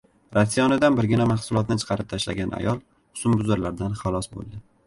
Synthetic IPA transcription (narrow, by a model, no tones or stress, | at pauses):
ɾasijɒnɪd̪anbɪɾɡʲɪnamaχsʊlˠɒt̪nɪt͡ʃʰɨ̥qʰɑɾɪp̚t̪ʰaʃla̰ɡʲanʔa̰jɒlˠ | ʊ̥sʊmbʊzaɾlaɾd̪anχalˠɒsbo̰lˠd̪ɪ